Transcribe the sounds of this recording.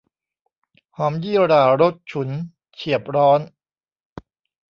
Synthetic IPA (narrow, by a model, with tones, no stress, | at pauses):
hɔː˩˦mjiː˥˩˨ɾaː˨˩ɾo˦˥t̪̚t͡ɕʰu˩˦n | t͡ɕʰi˨˩əp̚ɾɔː˦˥n